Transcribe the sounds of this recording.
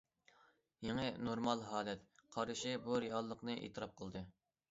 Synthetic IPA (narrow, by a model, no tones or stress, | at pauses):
jeŋənoɾmɑlˠɦɑːlɛt̪̚qʰɑɾɨʃɪbuɾiɑlˠːəqnɨʔḛːt̪ʰɨɾɑp̚qʰəlˠd̪ɨ